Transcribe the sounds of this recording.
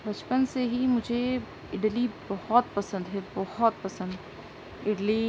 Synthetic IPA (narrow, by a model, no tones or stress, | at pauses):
bɐt͡ʃpənseɦimʊd͡ʒʱe | ɪɖlibɔhɔt̪̚pɐsə̃nd̪ɦɛbɔhɔt̪̚pɐsə̃nd̪ | ɪɖli